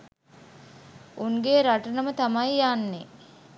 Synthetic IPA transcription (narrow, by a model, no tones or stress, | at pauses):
uŋɡeːɾaʈənəmət̪amajjanːe